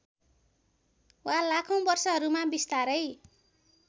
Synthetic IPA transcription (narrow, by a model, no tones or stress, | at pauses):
walakʰʌw̃bʌrsʌɦʌɾumabist̪aɾʌj